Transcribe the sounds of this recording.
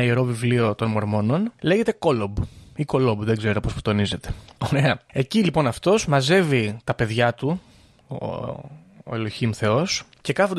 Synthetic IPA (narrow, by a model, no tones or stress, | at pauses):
ieɾo̞vivlio̞t̪o̞nmo̞ɾmo̞no̞nle̞ʝe̞t̪e̞ko̞lobiko̞lo̞bðeɡze̞ɾopo̞spu̥t̪o̞nize̞t̪e̞̥oɾe̞ɐe̞cilipo̞nɐft̪o̞zmɐze̞vit̪ɐpe̞ðʝɐt̪u | o̰ | eloçimθe̞o̞sce̞kɐfod̪